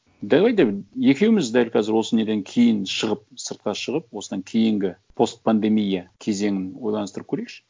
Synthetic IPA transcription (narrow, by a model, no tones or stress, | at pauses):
d̪ælˠɑjd̪ebje̞kʲe̞wɪmɪzd̪ælqʰɑzɪɾwo̞səne̞d̪e̞ŋkʲʰe̞jɪnʃəʁəp̚səɾt̪̚qɑʃəʁəp̚wosəd̪ɑŋkʲʰe̞jɪŋɡʲɪpʰo̞st̪̚pand̪e̞mijakʲʰe̞ze̞ŋʲɪnwo̞jlˠɑnəst̪əɾəp̚kʰɵɾejkʃɪ̥